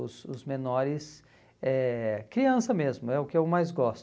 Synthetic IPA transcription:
ʊ̰sʊzmenɔɾɪs | ɛkɾiɐ̃sɐmezmʊɛʊkɪewmajzɡɔst̪

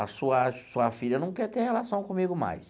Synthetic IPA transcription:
ɐsuɐsuɐfiʎɐnɐ̃w̃kɛɾt̪ehelasɐ̃w̃kõmiɡʊma̰js

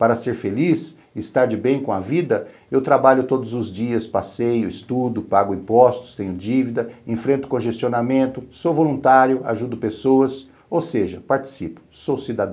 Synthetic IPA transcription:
paɾɐseɾfelis | ɪst̪aɾd͡ʒɪbẽj̃kõɐvid̪ɐ | ewt̪ɾabaʎʊt̪od̪ʊzʊzd͡ʒiɐspasejʊist̪ud̪ʊpaɡʊĩpɔst̪ʊ̥st̪ẽɲʊd͡ʒivid̪ɐẽfɾẽnt̪ʊ̥kõʒest͡ʃionamẽnt̪ʊsowvolũnt̪aɾjʊa̰ʒud̪ʊpesowɐs | owseʒɐpaɾt͡ʃi̥sipʊ̥sowsid̪ad̪ɐ̃

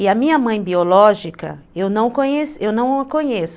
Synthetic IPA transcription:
ɪɐmĩɲɐmɐ̃j̃biolɔʒikɐ̰ewnɐ̃w̃kõɲesewnɐ̃w̃ɐkõɲes

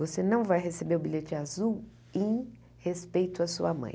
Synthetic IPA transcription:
vosenɐ̃w̃vajɦesebeɾʊbiʎet͡ʃɪazuw | ẽj̃ | hespejt̪ʊasuɐmɐ̰̃j̃

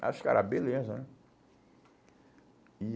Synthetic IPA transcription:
a̰ʃʊ̥kɛ̰ɾabelezɐnɛ | i

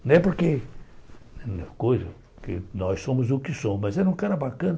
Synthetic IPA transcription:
ñɛpoɾke | kojzɐ | kɪnɔjssõmʊzʊkɪsõmmɐzɛɾũkaɾɐbakɐ̃nɐ

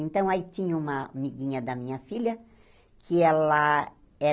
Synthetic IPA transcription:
ẽnt̪ɐ̃w̃ait͡ʃ̪ĩɲũmɐ̰miɡĩɲɐd̪ɐmĩɲɐfiljɐ | kʰɪɛlɐ | ɛ

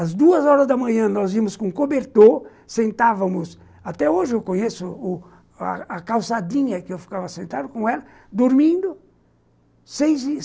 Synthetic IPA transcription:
ɐzd̪uɐzɔɾɐzd̪ɐmɐ̃ɲɐ̃nɔzimʊskõkobeɾt̪o | sẽnt̪avɐmʊs | at̪ɛoʒɪewkõɲesʊʊ | a̰akawsad̪ĩɲɐkɪewfi̥kavɐsẽnt̪ad̪ʊkõɛlɐ | d̪oɾmĩnd̪ʊ | sejz

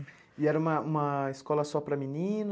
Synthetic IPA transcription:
iɛɾɐũmɐũmɐiskɔlɐsɔpɾɐminĩn

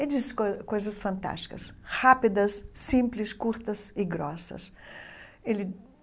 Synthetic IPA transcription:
eld͡ʒisɪ̥kojzɐsfɐ̃nt̪a̰ʃt͡ʃi̥kɐshapid̪ɐsːĩmplɪskuɾt̪ɐsɪɡɾɔsɐ̰s | elɪ

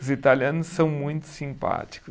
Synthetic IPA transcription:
zit̪aliɐ̃nʊssɐ̃w̃mũj̃t̪ʊ̥sĩmpa̰t̪i̥kʊ

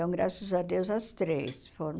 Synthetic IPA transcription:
oŋɡɾa̰susad̪ewsast̪ɾeːsfor

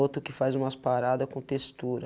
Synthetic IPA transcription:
ot̪ʊkɪfajzũmɐspaɾad̪ɐkõt̪est̪uɾɐ

